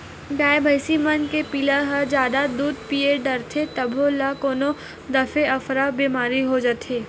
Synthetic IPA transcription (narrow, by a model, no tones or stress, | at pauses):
ɖaːjbʱɐɪsimɐnkepilaɦɐd͡ʒjaːd̪ad̪uːd̪̚pijeɖɐɾt̪ʰet̪ɐbʱolakoːno | d̪ɐfeɐfɾabiːmaːɾiɦod͡ʒat̪eː